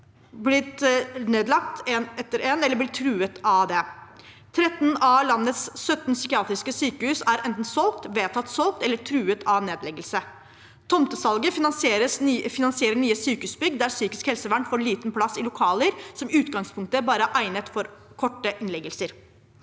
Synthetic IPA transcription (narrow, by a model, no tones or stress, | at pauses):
blɪt̪neːd̪lɑk̚t̪ʰenɛt̪ːəɾeːnɛlːəblɪʈʰɾʉːət̪ʰɑʋd̪ɛ | t̪ʰɾɛt̪nɑlɑnːət̪sːœt̪nsʏkɪɑːt̪ɾɪskəsyːkəhʉːsæɾʔɛnt̪n̩sɔlk̚t̪ʋeːt̪ʰɑt̪ːsɔlk̚t̪ɛlːəʈʰɾʉːət̪ʰɑneːd̪lɛɡəlsə | t̪ʰɔmt̪əsɑlɡəseɾəsfɪnɑnsɪeːɾəɳyːəsyːkəʉːsbʏɡd̪d̪æɾsyːkɪskhɛlsəʋæɳʈfoːɾɭiːt̪npʰlɑsɪlʊkʰɑːləɾsɔmʉːt̪ɡɑŋspʰʊŋk̚t̪əbɑːɾəæʔæɪnət̪fɔɾkʰɔʈːəʔɪnlɛɡəlsəɾ